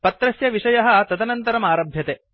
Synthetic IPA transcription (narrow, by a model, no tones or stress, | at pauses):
pɐt̪ɾɐsjɐʋiʂɐjɐɦɐ̆t̪ɐt̪ɐnɐnt̪ɐɾɐmaːɾɐbʱjɐt̪e